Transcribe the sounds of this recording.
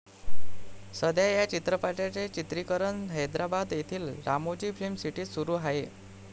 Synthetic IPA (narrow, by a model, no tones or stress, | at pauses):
səd̪jajat͡ɕit̪ɾəpaʈat͡set͡ɕit̪ɾikəɾənɦəjd̪ɾabad̪jet̪ʰiːlɾamot͡ɕiːfʰɾemsiʈiːsuɾuːɦaɦe